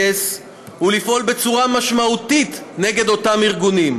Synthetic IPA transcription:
es | hulifʔo̞lbe̞t͡suʁamaʃmaut̪it̪ne̞ɡe̞d̪o̞tamiʁɡunim

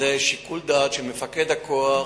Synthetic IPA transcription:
eʃikuld̪at̪ʃemefaked̪hakoa

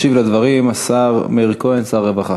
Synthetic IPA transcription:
ʃivlad̪vaʁimasaʁmeʁkoensaʁːevaχa

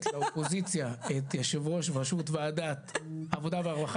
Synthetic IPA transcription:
tlaopozit͡sjaet̪jaʃevʁo̞ʃvaʃutveadat̪avod̪aveaʁbaχ

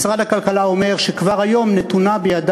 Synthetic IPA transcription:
sʁad̪akalkalao̞me̞ʁʃekvaʁhajo̞mnet̪unabejad̪

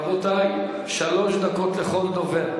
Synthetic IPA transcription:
vot̪aj | ʃalo̞ʃd̪akot̪leχold̪ove

